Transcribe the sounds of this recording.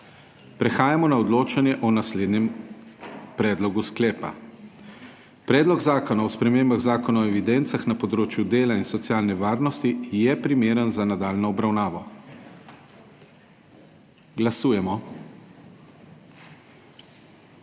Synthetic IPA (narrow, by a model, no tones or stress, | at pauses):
pɾɛxaːjamɔnaɔd̪loːt͡ʃanjɛʔɔnasleːd̪nɛm | pɾɛːd̪lɔɡusklɛːpa̰ | pɾɛːd̪lɔɡzaːkɔnawspɾɛmeːmbaɣzaːkɔnaɔɛʋid̪ɛnt̪saxnapɔd̪ɾoːt͡ʃjud̪eːlainsɔt̪sjaːlnɛʋaːɾnɔst̪ijɛpɾimeːɾənzanad̪aːlnɔːbɾawnaːʋɔ | ɡlasuːjɛmɔ